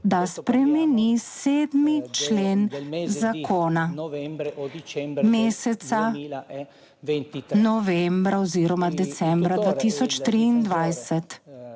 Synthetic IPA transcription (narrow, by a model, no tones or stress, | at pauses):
d̪aspɾɛmɛniseːd̪mit͡ʃleːnzakʰoːna | meːsɛt̪sa | nɔʋɛmbɾaɔziːɾɔmad̪ɛt̪sɛmbɾad̪ʋaːt̪isɔt͡ʃt̪ɾiːnd̪ʋajsɛt̪